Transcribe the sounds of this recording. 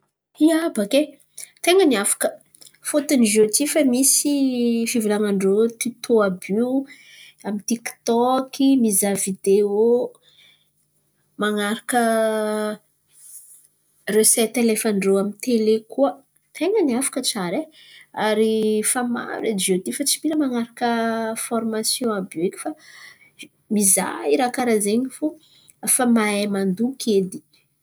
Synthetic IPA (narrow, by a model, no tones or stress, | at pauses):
iabake | t̪eŋəniafḁkə̥ | fot̪uniʒot̪ifəmisifivilaŋaɳɖ͡ʐot̪it̪oabi | amint̪ikt̪ɔkimizavid̪eo | maŋaɾakə | resɛt̪lefaɳɖ͡ʐoamit̪elekuə | t̪ʰeŋəniafḁkəʈ͡ʂaɾe | aɾifama̰ɾed͡ʒiot̪ifat͡si̥piɾəmaŋaɾakəfɔrmasjõabeki̥fa | miza̰iɾakaɾazeɲifu | famaemand̪ukʲʰed̪i̥